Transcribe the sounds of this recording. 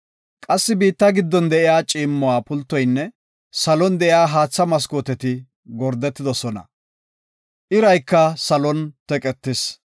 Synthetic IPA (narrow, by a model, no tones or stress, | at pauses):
kʼɐsːɪbiːt̪ːɐɡɪd̪ːɔnd̪ɛʔɪjaːt͡ʃʼiːmːɔwaːpʊlt̪ːɔjnːɛ | sɐlɔnd̪ɛʔɪjaːɦaːt͡sːɐmɐs̬koːt̪ɛt̪ɪ | ɡɔɾd̪ɛt̪ːɪd̪ɔsɔnɐ̰ | ʔɪɾɐjkːɐsɐlɔnt̪ɛkʼɛt̪ːɪs